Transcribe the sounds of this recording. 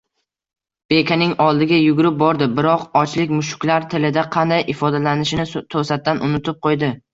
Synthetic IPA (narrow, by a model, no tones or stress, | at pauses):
b̥e̞kʲʰanɪŋɒlˠd̪ɪɡʲajʊɡʲʊɾɪp̚bɒɾd̪ɪbɪɾɒqɒt͡ʃlɪkʲmʊʃʊ̥kʲlaɾt̪ʰɪlɪd̪aqʰɑnd̪ajɪfɒd̪alanɪʃɪnɪt̪ʰosat̪̚ːanʔʊnʊt̪ʰɪp̚qʰojd̪ɪ